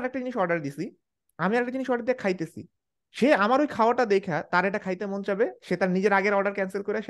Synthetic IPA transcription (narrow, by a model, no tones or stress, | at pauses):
ɾɛk̚ʈad͡ʑiniʃɔɾɖaɾd̪isʰi | amiaɛk̚ʈad͡ʑiniʃɔɾɖaɾd̪iakʰajt̪esʰḭ | ʃeamaɾojkʰaoaʈad̪ekʰat̪aɾeʈakʰajt̪emond͡ʑabeʃet̪aɾnid͡ʑeɾaɡeɾɔɾɖaɾkɛnselkoɾeaʃ